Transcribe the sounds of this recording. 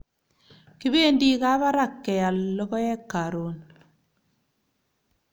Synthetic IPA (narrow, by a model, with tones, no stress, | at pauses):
ki˦be˦ndi˦ka˦βa˦ɾa˦˨kːɛ˨ja˨llɔ˦kɔ˦jɛ˦kːa˨ɾo˨˦n